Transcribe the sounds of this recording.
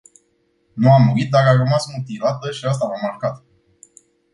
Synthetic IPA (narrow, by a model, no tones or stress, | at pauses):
nuamːuit̪̚d̪ararəmasmut̪ilat̪əʃias̬t̪amamarkat̪